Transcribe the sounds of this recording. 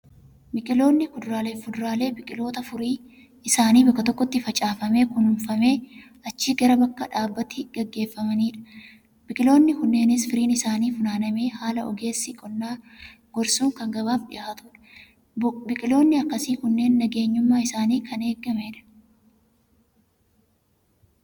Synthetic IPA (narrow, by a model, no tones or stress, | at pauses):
mɪkʼɪlo̞ːnːɪkʊd̪ʊɾaːleːfʊd̪ʊɾaːle̞ːbɪkʼɪlo̞ːt̪ɐfʊɾiː | ɪsaːniːbɐkːɐt̪ɔkːɔt̪ːɪfɐt͡ʃʼaːfɐme̞ːkʊnʊmfɐme̞ː | ɐt͡ʃːiːɡɐɾɐbɐkːɐᶑaːbːɐt̪iɡ̥ɛɡːe̞ːfːɐmɐniːᶑɐ̥ | bɪkʼɪlo̞ːnːɪhʊnːe̞ːnɪsfɪɾiːnɪsaːniːfʊnaːnɐme̞ːhaːlɐʔɔ̰ɡe̞ːsːɪkʼɔnːaː | ɡ̥ɔɾsuːŋkɐŋɡɐβaːfᶑɪʔaːt̪ʊᶑɐ̥ | bɪkʼɪlo̞ːnːɪɐkːɐsiːkʊnːe̞ːnːɐɡe̞ːɲːʊmːaːɪsaːniːkʰɐne̞ːɡːɐme̞ːᶑɐ̥